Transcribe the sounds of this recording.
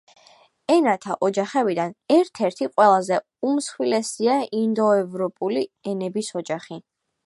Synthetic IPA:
ɛnat̪ʰaʔɔd͡ʒaχɛbid̪anɛɾt̪ʰɛɾt̪ʰiqʼwɛlˠazɛ | umsχwilɛsiaind̪ɔɛvɾɔpʼuliɛnɛbisɔd͡ʒaχi

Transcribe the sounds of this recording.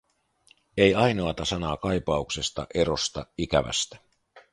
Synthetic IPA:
e̞jɑjno̞ɑt̪ɑsɑnɑːkɑjpɑukse̞st̪ɑ̰ʔe̞ɾo̞st̪ɑikæ̰ʋæ̰st̪æ̥

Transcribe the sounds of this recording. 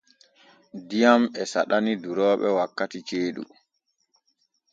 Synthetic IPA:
dijamɛsa̰ɗaniduɾɔːɓɛwakːatit͡ʃeːɗṵ

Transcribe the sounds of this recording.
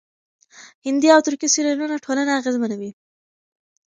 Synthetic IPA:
hɪnd̪iawt̪ʊɾkisiɾanunaʈʰolanaaɣezmanawi

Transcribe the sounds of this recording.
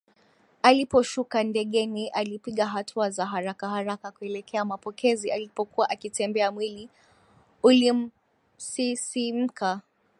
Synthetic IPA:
alipɔʃukandɛɠɛniʔalipiɠaɦatʰuazaɦaɾakahaɾakakuɛlɛkʰɛamapɔkʰɛzialipɔkuaʔakitɛmbɛamwili | ulim̩ | sisim̩kʰa

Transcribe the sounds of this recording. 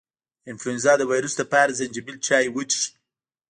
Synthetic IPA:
ɪnfluɪnzɑd̪əwajɾusd̪əpaɾzand͡ʒibilt͡ʃɑjwəd͡ʒʃ

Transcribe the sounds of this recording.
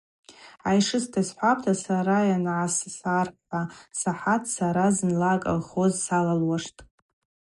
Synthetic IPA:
ajʂɨstʰasħʷapʰʼtʰasaɾajanʕassarħasaħatʰʼsaɾazɨnlakʼa̰lχozsalalwaʂtʼ

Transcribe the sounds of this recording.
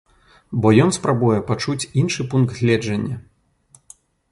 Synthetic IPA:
bɔjɔnspɾabujɛpat͡ʂut͡sʲinʂɨpunkɣʲlʲɛd͡ʐɐnʲːɐ

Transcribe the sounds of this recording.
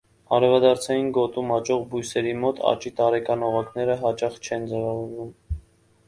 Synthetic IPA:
ɑɾɛvɑd̪ɑɾt͡sʰɑjinɡɔt̪umɑt͡ʃɔʁbujsɛɾimɔt̪ʰɑ̰t͡ʃit̪ɑɾɛkɑnɔʁɑknɛɾəɦɑt͡ʃɑχt͡ʃʰɛnd͡zɛvɑvɔɾvum

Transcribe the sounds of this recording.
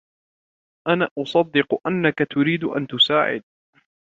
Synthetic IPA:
ʔanaːʔʊsˤɑd̪ːɪqʊʔanːakat̪ʊɾiːd̪ʊʔa̰nt̪ʊsaːʕɪ̰d̪̚

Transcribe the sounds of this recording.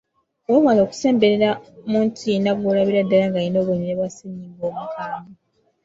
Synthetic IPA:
womalo̞ːku̥se̞ːmbe̞ɾeɾamuntʰinaβulaβiɾadːalaŋɡainoːβoɲiɾeβasiɲːiːmboːmukaːmu

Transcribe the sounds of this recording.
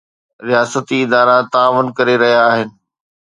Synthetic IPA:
ɾijaːsət̪iɪd̪aːɾat̪aːʋʊnkɐɾeɾɐɦijaːɦɪnɪ̆

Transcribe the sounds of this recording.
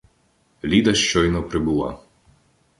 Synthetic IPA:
lʲid̪ɐʃt͡ʃɔjnɔpɾɪbulˠɑ̰

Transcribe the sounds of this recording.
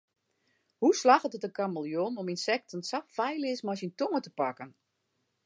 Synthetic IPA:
huslaxətətəkaməlˠjonɔminsɛk̚tənsaffɛjlɪsmasintoŋətəpakən

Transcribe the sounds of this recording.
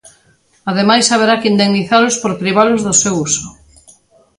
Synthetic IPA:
aðemajsaβ̞eɾakind̪eŋniθalʊspoɾpɾiβ̞alʊzðʊsewusʊ

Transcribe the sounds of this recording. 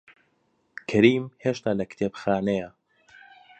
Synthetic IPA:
kʰɐɾiːmheːʃt̪aːlɐkt̪ʰeːbxaːnejɐ

